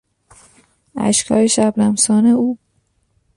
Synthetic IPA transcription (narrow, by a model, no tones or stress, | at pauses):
æ̰ʃkʰɒ̰ːjeʃæblæmsɒːneuːb